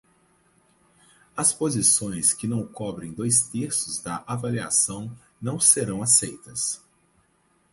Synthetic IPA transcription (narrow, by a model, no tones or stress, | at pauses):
ɐspozisõj̃skɪnɐ̃wkɔbɾẽj̃d̪ojst̪eɾsʊzd̪ɐʔavalia̰sɐ̃w̃ | nɐ̃w̃seɾɐ̃w̃asejt̪ɐs